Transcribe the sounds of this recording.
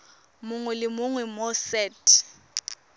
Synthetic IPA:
mʊŋwɛlɪmʊŋwɛmɔsɛːtʰʼ

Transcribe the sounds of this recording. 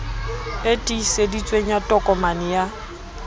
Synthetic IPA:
etʼisedit͡sʼweɲ̩jatʼɔkʼɔmanɪja

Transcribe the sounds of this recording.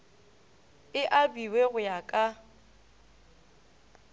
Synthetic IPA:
ɪʔabiweɣʊjakʼa

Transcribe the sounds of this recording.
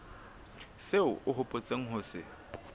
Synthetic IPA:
seʊʔʊɦʊpʼot͡sʼeŋ̩ɦʊsɪ

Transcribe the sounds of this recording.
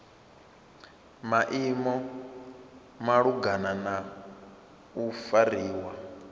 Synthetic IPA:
maʔimɔ | maɺuɡanana | ufaɾiːwa

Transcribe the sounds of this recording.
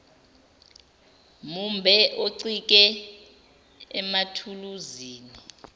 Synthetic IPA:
mumbʱɛʔoǀik̬ʼɛ | ɛmatʰuluziːni

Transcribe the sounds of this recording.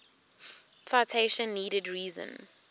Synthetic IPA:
saɪtʰeɪʃə̃nːiːɾədɹiːzə̰̃n

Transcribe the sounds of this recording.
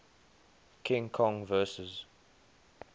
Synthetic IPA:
kʰɪ̃ŋkʰɔ̃ŋvɜːsəz

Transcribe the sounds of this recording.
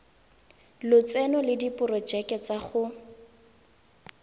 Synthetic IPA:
lʊt͡sɛnɔlɪdipʊrɔd͡ʒɛkɛt͡saχʊ

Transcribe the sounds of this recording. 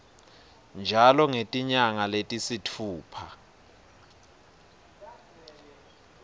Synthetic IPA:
nd͡ʒʱalɔŋetʼiɲaŋaletʼisitʰuːpʰa

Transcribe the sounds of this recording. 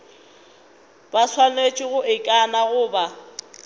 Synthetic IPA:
basʰwalet͡ʃʼɪɣʊʔɪkʼanaɣʊːba

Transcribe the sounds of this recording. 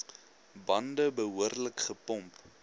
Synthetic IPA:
bɐndəbəɦuərləkχəpɔmp

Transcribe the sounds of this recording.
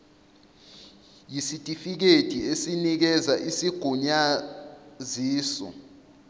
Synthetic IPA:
jisitʼifik̬ed̥ʼʱiesinik̬ɛzaʔisiɡ̥ʱuɲa | ziːsɔ̰

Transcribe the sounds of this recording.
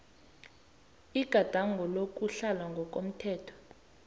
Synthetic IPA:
iɡ̥ʱad̥ʱaŋɡʱɔlok̬ʼuɬalwaŋɡʱɔk̬ʼom̩tʰɛːtʰɔ̥

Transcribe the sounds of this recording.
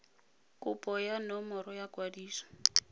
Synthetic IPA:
kʼʊpʼɔjanɔmɔɾɔjakwadiːsɔ̥

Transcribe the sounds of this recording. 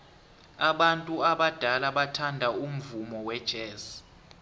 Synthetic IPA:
aɓantʼuaɓad̥ʱalaɓatʰandʱaum̩vumɔwɛd̥ʒ̥ʱɛːs

